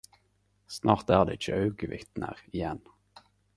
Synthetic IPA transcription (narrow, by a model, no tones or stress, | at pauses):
snʔɑːʁt̪æːʁd̪ḛːɪt͡ʃəɑʉɡəʋɪ̰t̪nə̰ʁɪjɛn